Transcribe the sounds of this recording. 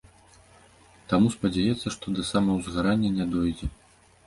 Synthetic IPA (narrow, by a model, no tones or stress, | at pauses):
t̪amuspɐd͡zʲajɛt̪sːɐʂt̪ɔd̪ɐsamɐwzɣaɾanʲːɐnʲɛd̪ɔjd͡zʲɛ